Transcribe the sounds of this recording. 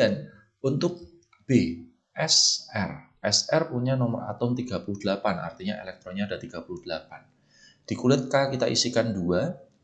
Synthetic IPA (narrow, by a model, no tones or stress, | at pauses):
an | unt̪ʊk̚ | b̥e | ʔɛsɛr | ʔɛsɛrpuɲanɔməra̰t̪ʊmt̪iɡ̥a̤puluhd̥̪əlapana̰rt̪iɲaʔḛlɛk̚t̪ɾoɲaːdat̪iɡ̥apulud̥əlapan | d̥ikulɪt̪̚kakit̪aʔḭsikandua